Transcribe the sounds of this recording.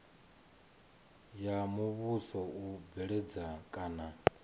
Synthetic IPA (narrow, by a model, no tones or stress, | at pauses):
jamuβusɔubɛɺɛd͡zakʼaːna